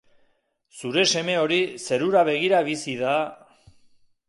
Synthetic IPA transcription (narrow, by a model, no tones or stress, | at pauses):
suɾe̞se̞me̞o̞ɾise̞ɾuɾaβe̞ɣ̞iɾaβ̞isiða